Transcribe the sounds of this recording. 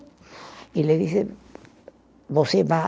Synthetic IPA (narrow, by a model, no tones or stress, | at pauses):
ileðiθe | βoseβa